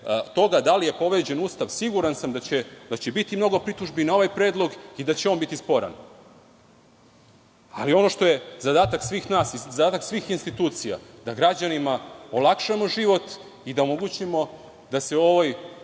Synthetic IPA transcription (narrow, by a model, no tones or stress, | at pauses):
t̪o̞ɡad̪alije̞po̞ʋe̞d͡ʑe̞nuːst̪aʋsiɡuɾansamd̪at͡ɕed̪at͡ɕebit̪imno̞ɡo̞pɾit̪uʒbinao̞ʋajpɾe̞ːd̪lˠo̞ɡid̪at͡ɕeonbit̪ispo̞ɾa̰n | a̰lio̞no̞ʃt̪o̞je̞zad̪aːt̪aksʋiːxnaːsizad̪aːt̪aksʋiːxinst̪it̪uːt̪sija̰d̪aɡɾad͡ʑanimaolˠakʃamo̞ʒiʋo̞t̪ | id̪aomo̞ɡut͡ɕimo̞ | d̪aseo̞ʋaj